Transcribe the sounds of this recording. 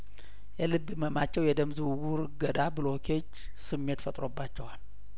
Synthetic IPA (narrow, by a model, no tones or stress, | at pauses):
jɛlɨbːɨməmat͡ʃːɛwjɛd̪əmzɨwuwuɾɨɡəd̪abɨlo̞kʰeot͡ʃː | sɨmːe̞t̪fət̪ʼɾo̞bːat͡ʃːɛwal